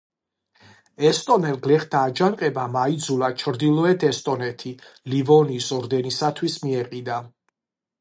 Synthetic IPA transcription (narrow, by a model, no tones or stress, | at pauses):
ɛst̪ʼɔnɛlɡlɛχd̪ʰaːd͡ʒanqʼɛbamaid̪zulat͡ʃʰɾd̪ilˠɔɛt̪ʰɛst̪ʼɔnɛt̪ʰilivɔnisɔɾd̪ɛnisat̪ʰwismiɛqʼid̪a